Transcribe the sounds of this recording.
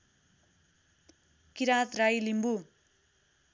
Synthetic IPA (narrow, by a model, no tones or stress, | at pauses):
kiɾat̪rajlimbu